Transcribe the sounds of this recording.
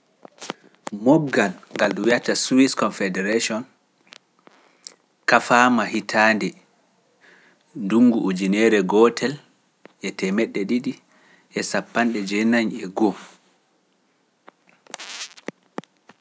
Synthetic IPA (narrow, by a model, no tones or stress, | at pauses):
mɔbɡanŋɡalɗuwijataswiskɔnfɛdɛɾeʃiɔn | kafamahitʰandɛ | nduŋɡuʔud͡ʒinɛɾɛɡɔtʰɛl | ɛtɛmɛɗːɛɗiɗi | ʔɛsapːanɗɛd͡ʒɛnaɲɛɡɔ